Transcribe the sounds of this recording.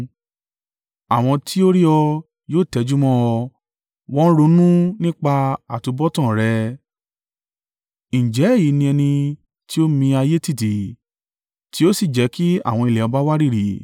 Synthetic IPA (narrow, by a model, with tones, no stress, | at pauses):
a˨w̃ɔ̃˧tʰi˦o˦ɾi˦ɔ˧ | joː˦˨tɛ˧˦d͡ʒu˦mɔ̃˦ɔ˧ | wɔ̃˦n̩˦ɾo˧˦nũ˦nĩ˦k͡pa˧a˨tu˧˦bɔ˦tã˦˨ɾɛ˨˧˦ | nĩ˨d͡ʒɛ˨˦˨ji˨˦nĩ˧ɛ˧nĩ˧ | ti˦o˦mĩ˧a˧je˦ti˦˨ti˨ | ti˦o˦si˦˨d͡ʒɛ˨˦ki˦a̰˦˨w̃ɔ̃˧i˧lɛ˨ɔ˨˧ba˦wa˦ɾi˦˨ɾi˨